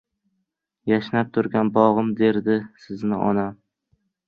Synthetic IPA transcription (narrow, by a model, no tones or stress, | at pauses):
jaʃnap̚t̪ʰʊɾɡʲanbɒʁɨmd̪e̞ɾd̪ɪsɪznɪʔɒ̰nam